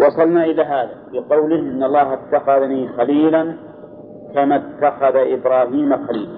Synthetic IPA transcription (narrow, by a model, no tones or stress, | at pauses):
wɑsˤɑlnaʔɪlaɦaːðabɪqɑwlɪhʔɪnːɑlˤːɑːhɪt̪ːaxaðniːxaliːlan | kamat̪ːaxaðaʔɪbɾˤɑːhiːmaxaliːl